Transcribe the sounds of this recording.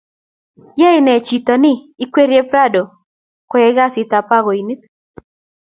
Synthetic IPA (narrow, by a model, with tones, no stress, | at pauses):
ja˦ɪ˦nɛ˨t͡ʃi˨t̪ɔ˨nɪː˦kwe˦ɾje˦pɾa˦do˨ | kɔ˨˦jɛ˦ɡa˦sɪ˨t̪a˨pa˦ɣo˨i˨ni˦t̪̚